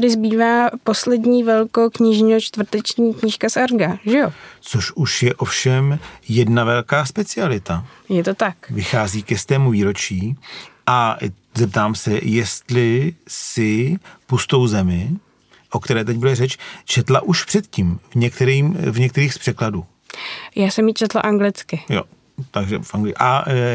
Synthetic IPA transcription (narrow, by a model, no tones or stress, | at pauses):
adɪzbiːvaːpo̞slɛdɲiːvɛlkokɲɪʒɲiot͡ʃt̪vr̩t̪ɛt͡ʃɲiːkɲɪʃkasaɾɡaʒɛjot͡soʃuʃjɛʔo̞fʃɛmjɛdnavɛlkaːspɛt͡sɪalɪt̪a | jɛt̪ot̪akvɪxaːziːkɛst̪ɛːmuviːɾo̞t͡ʃiːʔa | zɛp̚t̪aːmsɛjɛst̪lɪsɪpust̪o̞wzɛmɪ | ʔo̞kt̪ɛɾɛːt̪̬ɛc̚budɛrɛt͡ʃt͡ʃɛt̪la̰ʔuʃpr̥ɛt̪ciːmvɲɛkt̪ɛɾiːmvɲɛk̚t̪ɛɾiːxspr̝̥ɛkladuː | jaːsɛmjit͡ʃɛt̪laʔaŋɡlɪt͡skɪjo̰ | t̪aɡʒɛ̰fʔaŋɡlɪʔa